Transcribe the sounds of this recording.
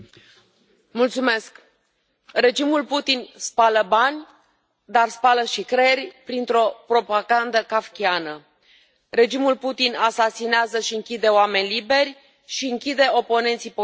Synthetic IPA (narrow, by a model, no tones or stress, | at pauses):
mult̪sume̞sk | re̞d͡ʒimulput̪inspaləbanʲ | d̪arspaləʃikɾerʲpɾint̪ɾo̞pɾo̞paɡand̪əkafkʲianə | re̞d͡ʒimulput̪inasasineazəʃiɨŋkʲid̪e̞oame̞nʲlibe̞rʲ | ʃiɨŋkʲid̪e̞o̞po̞ne̞nt̪sipo